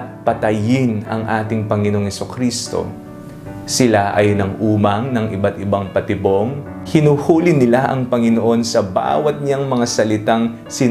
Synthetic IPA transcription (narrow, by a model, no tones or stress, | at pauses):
t̪̚pɐt̪ɐjɪnɐ̰ŋʔaːt̪ɪŋpɐŋɪnoʔoŋhɛsukɾist̪o̞̰ | sɪlaʔɐjnɐŋʔuːmɐŋnɐŋʔɪbat̪ɪbaŋpɐt̪ɪbo̞ŋ | hɪnuhuːlɪnɪlaʔɐŋpɐŋɪno̞ʔo̞nsɐba̰ːwɐt̪̚ɲaŋmɐŋasɐlɪt̪aŋ | sɪ